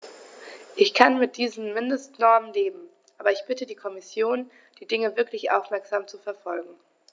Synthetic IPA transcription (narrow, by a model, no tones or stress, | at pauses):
ʔɪçkʰanmɪt̚d̥iːzn̩mɪndəstnɔɐmənleːbm̩ | ʔʔaːbɐɪçb̥ɪtədiːkʰɔmɪsjoːn | d̥iːdɪŋəvɪɐklɪçʔa̰ʊfmɛɐkz̥aːmt͡sufɛɐfɔlɡŋ̩